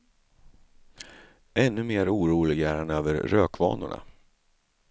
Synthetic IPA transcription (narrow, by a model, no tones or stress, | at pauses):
ɛnːɵmeːɾuːɾuːlɪɡæːɾɛnøːvəɾɾøːkvɑ̰ːnʊ̰ɳa̰